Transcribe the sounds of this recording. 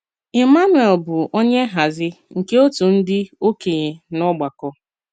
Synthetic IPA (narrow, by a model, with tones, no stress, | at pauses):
ɪ˨ma˦nu˨e˨lbʊ˨o˦ɲe˦ɦa˨zɪ˦ŋ̩˨ke˦o˦tu˨n̩˦dɪ˦o˦ke˨ɲe˨nɔ˦ɡ͡ba˨kɔ˦